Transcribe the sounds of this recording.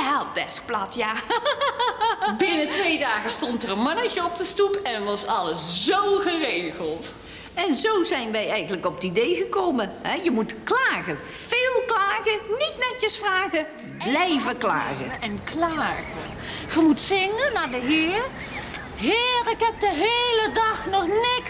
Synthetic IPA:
ɦɛlˠp̚d̥ɛsk̚plɑtjaː | bɪnətʋejdaːɣəstɔntərənmɑnəcəɔp̚dəstupɛnʋɑsɑləszowɣərejɣəlˠt | ɛnzowzɛjnʋɛjɛjɣənləkɔp̚didejɣəkowməɦɛjəmutklaːɣə | v̥eːlˠklaːɣənitnɛtjəsfraːɣə | blɛjvəkla̰ːɣə̰ɛnklaːɣə | χəmutsɪŋənaːdəɦɪːɹ | ɦɪːɹɪkɦɛp̚dəɦejlədɑχnɔχnɪk

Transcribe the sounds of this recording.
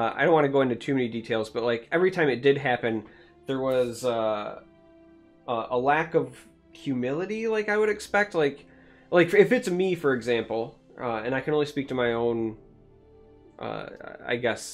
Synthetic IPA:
ʌa̰ɪɾõʊ̃nʔwɑ̃nɨɡoʊɪ̃ntʉtʰʉmɛniditʰeɪlˠzb̥ʌt̚laɪkɛvɹitʰãɪ̃mɨt̚d̥ɨd̚ɦæpɨ̃n | ðə˞wʌzʌ | ʔʌʔəlækʌv̥ | hjʉmɪlˠɨɾilaɪkaɪwɨɾɨkspɛk̚t̚ˡlaɪk | laɪkɪfɨtsmifə˞ɨɡzæ̃mpl̩ˠ | ʔʌ̰ɨ̃ñaɪkʰɨ̃nõʊ̃nlispik̚tʰɨmaɪõʊ̃n | ʔʌ̰a̰ɪɡɛs

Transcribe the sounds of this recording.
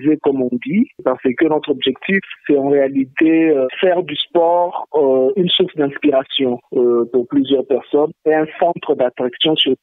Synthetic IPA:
zekɔmɔ̃d̪ipaʁsəkənɔt̪χɔbʒɛkt̪ifsɛtɑ̃ʁealit̪eøfɛʁd̪yspɔʁynsuʁsd̪ɛ̃spiʁasjɔ̃øpuʁplyzjœʁpɛʁsɔneɛ̃sɑ̃t̪χəd̪at̪χaksjɔ̃syʁ

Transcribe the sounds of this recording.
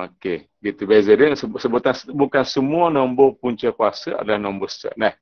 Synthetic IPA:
oke | ɡit̪ubezədəsəsəbut̪ansbukansəmuanɔmbopuɲt͡ʃəkuasəa̰dalahnɔmbostə̰ʔ̚lah

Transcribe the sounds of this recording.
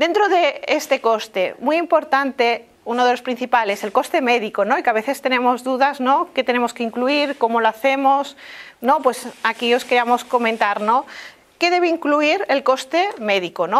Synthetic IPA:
d̪e̞nt̪ɾo̞ðe̞est̪e̞ko̞st̪e̞mujimpo̞ɾt̪ant̪e̞ | unoð̞e̞lospɾin̟θipale̞se̞lko̞st̪e̞me̞ðikono̞ikaβe̞θe̞st̪e̞nẽ̞mo̞zðuðazno̞ke̞t̪ene̞mo̞skeiŋkluiɾko̞mo̞loaθe̞mo̞sno̞pwe̞sakio̞skeɾiamo̞sko̞mẽnt̪aɾno | ke̞ðe̞βeiŋkluiɾe̞lko̞st̪e̞me̞ðikono

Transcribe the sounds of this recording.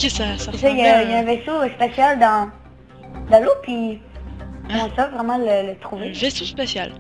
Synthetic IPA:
kʲɛsasaeʒajajaɛ̃vesospasjald̪ɑ̃ | d̪ɑ̃lopi | ɛ̃savʁɛmɑ̃lələt̪χuvevesospasjal

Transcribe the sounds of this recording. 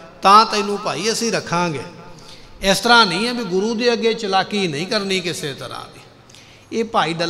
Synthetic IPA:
t̪ãːt̪ə̃ːnũːpaːiːəsĩːɾəkʰãːɡḛː | ɪst̪əɾãːnəĩːɛ̃ːbiːɡʊɾuːd̪iːəɡeːt͡ʃəlaːkiːnəĩːkəɾniːkɪseːt̪əɾã̰ːd̪iː | eːpaːiːɖə

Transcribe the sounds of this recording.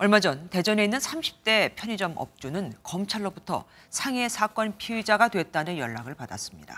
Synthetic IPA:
ʌɭmad͡ʑʌnte̞d͡ʑʌne̞inːɯnsʰamɕʰi̥p̚t͈e̞pʰjʌɲid͡ʑʌmʌ̰p̚t͡ɕ͈unɯnkʌmt͡ɕʰaɭːobutʰʌ̰ | sʰaŋe̞sʰak͈wʌnpʰiid͡ʑaɡadwe̞t̚t͈anɯnjʌɭːaɡɯɭpada̰s͈ɯmɲida̰

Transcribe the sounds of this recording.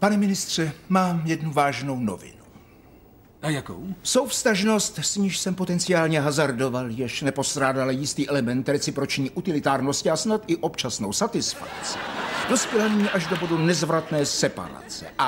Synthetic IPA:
panɛmɪnɪst̪r̝̥ɛmaːmjɛdnuvaːʒno̞wno̞̰vɪ̰nu | ajako̰wso̞wfst̪aʒno̞st̪sɲiːʃsɛmpo̞t̪ɛnt͡sɪaːlɲɛɦazaɾdo̞valjɛʃnɛpo̞st̪ɾaːdalajɪst̪iːʔɛlɛmɛnt̪ɾɛt͡sɪpɾo̞t͡ʃɲiːʔut̪ɪlɪt̪aːɾnoscɪasnat̪ʔɪʔo̞pt͡ʃasno̞wsat̪ɪsfa̰k̚t͡sɪ̥d̥o̞spjɛlanaɲiːʔaʒdo̞bo̞dunɛzvɾat̪nɛːsɛpa̰ɾa̰t͡sɛ̰ʔa

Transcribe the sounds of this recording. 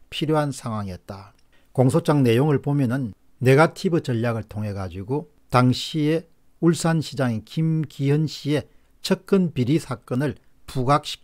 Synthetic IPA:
pʰiɾjoɦansʰaŋɦwaŋiʌt̚t͈a | koŋsʰot͡ɕ͈aŋne̞joŋɯɭpomjʌnɯnː | e̞ɡatʰibɯt͡ɕʌʎːaɡɯɭtʰoŋɦe̞ɡad͡ʑiɡo | taŋɕʰie̞ | uɭs͈anɕʰid͡ʑaŋekimkiɦʌnɕʰie̞ | t͡ɕʰʌk̚k͈ɯnpiɾisʰak͈ʌnɯɭ | puɡak̚ɕ͈ʰi̥k

